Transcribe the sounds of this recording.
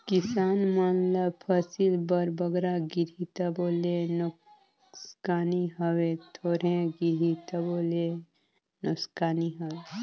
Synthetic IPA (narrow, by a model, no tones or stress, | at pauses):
kisaːnmanlapʰəsilbəɾbəɡɾaɡiɾit̪ɐboːlenu | skaːniɦəwet̪ʰoːɾẽɡiɾit̪ɐbole | nukskaːniɦəwe